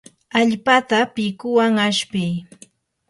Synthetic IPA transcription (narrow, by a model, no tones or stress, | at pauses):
aʎpat̪apɪkʊwaŋaʃpɪj